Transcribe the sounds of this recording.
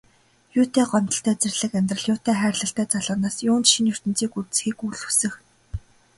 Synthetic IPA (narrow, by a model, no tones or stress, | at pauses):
jʊːt̪ʰæːɢɔnt̪ɞə̆ɬt̪ʰæːt͡serʲɮɘ̆kæmʲt̪rə̆ɮjʊːt̪ʰæːχæːrʲɮə̆ɬt̪æːt͡saɮaːnaːsjʊːnt͡ɕʃinjɵr̥t̪ɘ̆nt͡siːkurt̪̆sxiːkuɮɵsɘ̆x